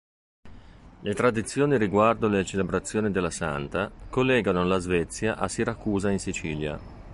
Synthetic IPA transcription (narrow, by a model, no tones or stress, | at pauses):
let̪ɾad̪it̪sːjoːniɾiɡward̪olet͡ʃelebɾat̪sːjoːnid̪elːasa̰nt̪akolːɛːɡanolazvɛt̪sːjaʔasiɾakːuːzainsit͡ʃiːlja̰